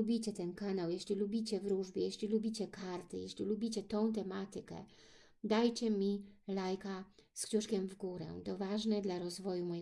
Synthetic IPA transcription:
ubʲit͡ɕɛt̪ɛnkanawjɛɕlʲilubʲit͡ɕɛvɾuʐbʲjɛjɛɕlʲilubʲit͡ɕɛkaɾt̪ɘjɛɕʲlʲilubʲit͡ɕɛt̪ɔ̃w̃t̪ɛmat̪ɘkɛ̰ | d̪ajt͡ɕɛmʲilajkaskɕuʂkʲɛmvɡuɾɛ̰t̪ɔvaʐnɛd̪laɾɔzvɔjumɔj

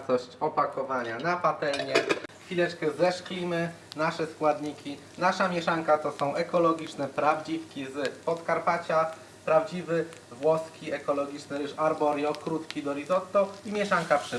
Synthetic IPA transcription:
t̪ɔɕt͡ɕɔpakɔvaɲanapat̪ɛlɲɛfʲilɛt͡ʂkɛzɛʂklʲimɘ | naʂɛskwad̪ɲikʲi | naʂamʲjɛʂaŋkat̪ɔsɔ̃w̃ʔɛkɔlɔɡʲit͡ʂnɛpɾavd͡ʑifkʲizpɔskaɾpat͡ɕa | pɾavd͡ʑivɘ | vwɔskʲʰiɛkɔlɔɡʲit͡ʂnɘɾɘʂaɾbɔɾʲjɔkɾut̪kʲid̪ɔɾʲizɔt̪ːɔimʲjɛʂaŋkapʂɛ

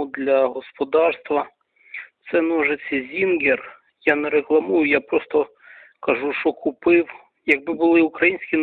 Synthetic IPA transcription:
ud̪lʲɐɦɔspɔd̪ɑrst̪ʋɐ | t̪sɛnɔʒet͡sʲːɐzʲinɡer | janɛɾeklˠɐmujʊjapɾɔst̪ɔ | kɐʒuʃɔkʰʊpɪw | jɐɡ̚bɪbʊlˠɪʊkɾɐjinʲsʲkʲin

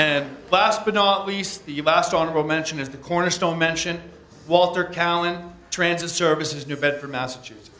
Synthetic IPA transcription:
ɨ̃nlæs̚b̥ɨnɔəʔˡlisðɨlæstɑnə˞əbl̩ˠmɛ̃nʃɨ̃nɨzðɨkʰɔɹnə˞stõʊ̃nmɛ̃nʃɨ̃n | wɔlˠtə˞kʰælˠə̃ntʰɹ̥æ̃nzɨtsɜ˞vɨsɨznʉbɛd̥fə˞mæsɨt͡ʃʰʉs

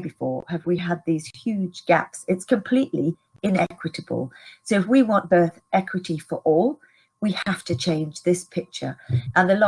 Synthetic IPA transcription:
bɨfɔɹəvwiəd̪̚ðiz̥hjʉd͡ʒɡa̰psɨtskʰə̃mpʰl̥iʔli | ɪ̃nɛkʰwɨɾəb̥ə̰lˠsoʊɨfwiwɒ̃nb̥ɜˑ˞θɛkʰwɨɾifə˞ʔɔlˠ | wihaftɨt͡ʃʰẽɪ̃nd͡ʒðɪspʰɪk̚t͡ʃə̰˞ʔə̃nðəlɔ

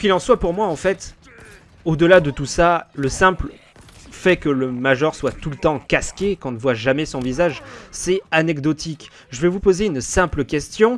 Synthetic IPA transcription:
kʲilɑ̃swapuʁmwaɑ̃fɛt̪ | od̪əlad̪ət̪usaləsɛ̃pl | fɛkələmaʒɔʁswat̪ulət̪ɑ̃kaskʲekɔ̃nəvwaʒamɛsɔ̃vizaʒsɛanɛkd̪ɔt̪ʰik | ʒəvɛvupozeynsɛ̃pləkʲɛst̪jɔ̃

